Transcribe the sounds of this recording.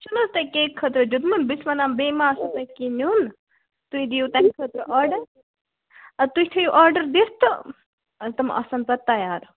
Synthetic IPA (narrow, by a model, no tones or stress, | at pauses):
t͡ʃunɐst̪ɐkeːkʰːɐt̪ɾɐd͡ʒud̪munbismɐnambemaːsɐt̪ɐkinun | t̪uid̪ijut̪ɐkʰɐt̪ɾɐʔaːɾɖɐɾ | ɐt̪uit̪ʰɐjuʔaːɾɖɐɾd̪ist̪ɨ | ɐt̪ɐmʔɐ̰sɐnpɐt̪ːɐjaːɾ